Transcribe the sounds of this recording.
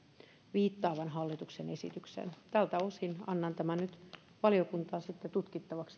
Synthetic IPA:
ʋiːt̪ːɑːʋænɦɑlːit̪uksene̞sḭt̪yksḛnt̪ælt̪æosinɑ̰nːɑnt̪æmænnyt̪ | ʋɑliokunt̪ɑːsit̪ːet̪ut̪kit̪ːɑʋɑks

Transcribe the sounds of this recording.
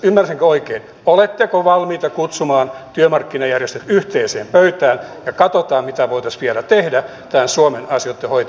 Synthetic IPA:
ymːærsiŋkøoikeːn | olet̪ːekoʋɑlmiːt̪ɑkut̪sumɑːnt̪yømɑrkːinɑjærjest̪et̪yht̪eːseːmpøyt̪æːnjɑkɑt̪ot̪ɑːmmit̪æʋoit̪ɑsʋielæt̪ehdæ | t̪æːnsuomenɑsjot̪ːehoit̪

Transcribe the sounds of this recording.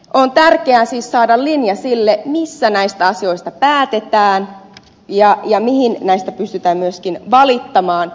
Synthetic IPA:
ʔont̪ærkeæsiːssɑːdɑllinjɑsilːemisːænæist̪æɑsio̞ist̪ɑpæːt̪et̪æːn | jɑjɑmihinnæist̪æpyst̪yt̪æːmmyøskinʋɑlit̪ːɑmɑːn

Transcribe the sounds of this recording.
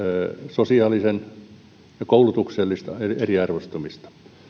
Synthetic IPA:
sosiɑːlisen | jɑkoulut̪ukselːist̪eeriɑrʋost̪umist̪ɑ̥

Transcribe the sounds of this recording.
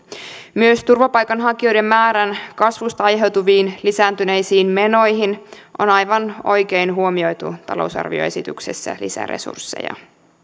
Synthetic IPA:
myøst̪urʋɑpɑjkɑnɦɑkio̞jde̞mːæːɾænkɑsʋust̪ɑɑjɦe̞wt̪uʋiːnlisæːnt̪yne̞jsiːnme̞no̞jɦin | ʔo̰nɑjʋɑno̞jke̞jnɦuomio̞jt̪ut̪ɑ̰lo̞̰wsɑ̰rʋḭoe̞sit̪y̰ksesːæ̰lḭsæ̰rḛsṵrsːḛjɑ̰

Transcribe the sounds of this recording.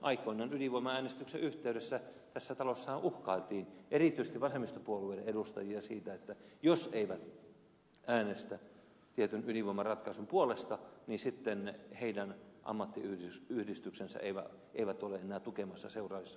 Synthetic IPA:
ʔɑikoinɑːnyliʋoimɑæːnest̪ykseʔyht̪eyɾesːæt̪æsːæt̪ɑlosːɑhɑʔuhkɑilt̪iːnʔerit̪yist̪iʋɑsemːˑist̪opuolueileedust̪ɑjiɑsiːt̪æet̪ːæjoseiʋæt̪ | æːnest̪æ | t̪iet̪ynyliʋoimɑrɑt̪kɑisumpuolest̪ɑniːsit̪ːenheidænʔɑ̰mːɑt̪ːḭyyhdist̪yksensæ̰ʔeiʋæ̰ | ʔeiʋæt̪oleenˑæːt̪ukemɑsːɑseurɑːʋisːɑ

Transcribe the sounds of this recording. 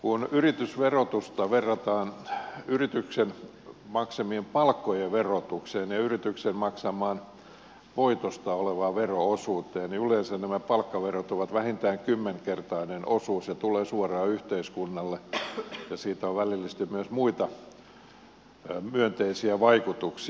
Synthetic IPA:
kunyrit̪ysʋerot̪ust̪ɑʋerːɑt̪ɑːnyrit̪yksen | mɑksemiempɑlkːojeʋerot̪ukseːnjɑyrit̪yksenmɑksɑmɑːn | ʋoit̪ost̪ɑoleʋɑːʋeroosuːt̪eːniyleːnsænnæmæpɑlkːɑʋerot̪ːuʋɑt̪ʋæhint̪æːŋkymːeŋkert̪ɑinenʔosuːsjɑt̪uleːsuorɑːyht̪eiskunːɑlːejɑsiːt̪æoʋʋælilːist̪imyøsmuit̪ɑ | myønt̪eisiæʋɑikut̪uks

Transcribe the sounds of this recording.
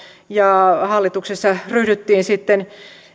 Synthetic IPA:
jɑhɑlːit̪uksesːɑryhdyt̪ːiːnsit̪ːen

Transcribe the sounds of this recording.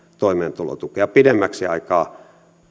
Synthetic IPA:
t̪oimeːnt̪ulo̰t̪ukeɑpidemːæksiɑikɑː

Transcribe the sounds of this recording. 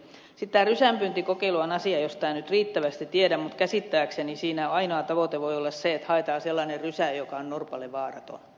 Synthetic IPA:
sit̪t̪æːrysæmpynt̪ikokeiluɑnɑsiɑjost̪æːnyt̪riːt̪ːæʋæst̪itt̪iedæmmut̪kæsit̪ːæːksenisiːnæɑinoɑt̪ɑʋot̪eʋoiolːɑsseet̪hɑet̪ɑːselːɑnerrysæjokɑonnorpɑlːeʋɑːrɑ̰t̪o̰n

